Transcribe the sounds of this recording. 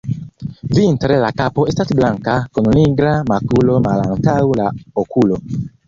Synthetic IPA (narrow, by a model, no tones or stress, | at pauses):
vintɾelakapoestasblaŋkakononiɡɾamakulomalaŋtawlaokʰulo